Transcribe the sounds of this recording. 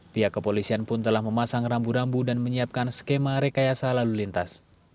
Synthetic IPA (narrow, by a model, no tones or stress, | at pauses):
piakəpolisianpʊnt̪əlahməmasaŋrambuɾambudanməɲiap̚kanskemaɾekajasalalulint̪as